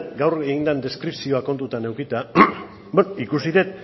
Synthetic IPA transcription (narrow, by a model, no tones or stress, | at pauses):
ɡawreind̪and̪e̞skɾipsio̞ako̞nt̪ut̪ane̞wkit̪a | bonikusiðe̞t̪̚